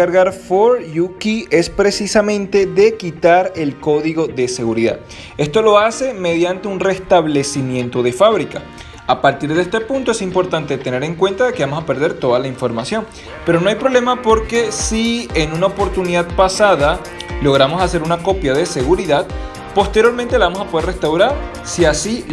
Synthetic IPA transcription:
aɾɣaɾfoɾjukie̞spɾe̞sisamẽ̞nt̪e̞ðe̞kit̪aɾe̞lko̞ðiɣo̞ðe̞se̞ɣuɾiða̰ð | e̞st̪o̞lo̞ase̞me̞ð̞jant̪e̞unre̞st̪aβle̞simjẽ̞nt̪o̞ðe̞faβɾika | apaɾt̪iɾðest̪e̞pũnt̪oe̞simpo̞ɾt̪ant̪e̞t̪e̞ne̞ɾe̞ŋkwe̞nt̪aðekeβamo̞sape̞ɾðe̞ɾt̪o̞ðalaiɱfo̞ɾmasjo̞n | pe̞ɾono̞ajpɾo̞βle̞mapo̞ɾke̞sienunaopo̞ɾt̪uniðaðpasaða | lo̞ɣ̞ɾamo̞sase̞ɾunako̞pjað̞e̞se̞ɣuɾiðað | po̞st̪e̞ɾjo̞ɾmẽnt̪e̞laβamo̞sapo̞ð̞ere̞st̪awɾaɾ | siasi

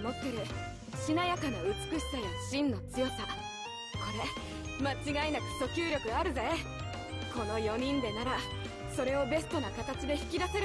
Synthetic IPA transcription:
mo̞t̪ːe̞ɾɯ̟ | ɕinajakanoɯ̟t͡sɨ̥kɯ̟ɕi̥sajaɕĩnːo̞t͡sɨjo̞sa | ko̞ɾe̞ | mat͡ɕiɡainakɯ̥so̞kʲɨːɾʲo̞kɯ̟ɡaːɾɯ̟zae | ko̞no̞jo̞ɲ̟ĩnd̪e̞naɾa | so̞ɾe̞o̞be̞sɨ̥t̪o̞nakat̪at͡ɕid̪e̞çi̥kʲid̪ase̞ɾ

